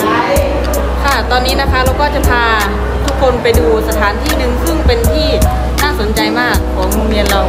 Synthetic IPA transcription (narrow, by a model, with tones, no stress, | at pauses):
kʰa˥˩t̪ɔː˧nːiː˦˥na˦˥kʰa˦˥ɾa˧wkɔː˥˩t͡ɕa˧˩pʰaː˧ | t̪ʰu˦˥kʰːo˧npa˧jduː˧sa˧t̪ʰaː˩˦nt̪ʰiː˥˩nɯ˧ŋsɯ˥˩ŋpe˧nt̪ʰiː˥˩ | naː˥˩so˩˦nt͡ɕa˧jmaː˥˩k̚ʰːɔ˩˦ɐmo˧ŋmi˧ənla˧w